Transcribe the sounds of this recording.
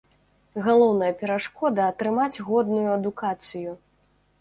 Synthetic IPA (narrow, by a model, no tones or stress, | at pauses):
ɣalˠɔwnɐjɐpʲɛɾaʂkɔd̪ɐːt̪ɾɨmad͡zʲɣɔd̪nujuɐd̪ukat̪sɨju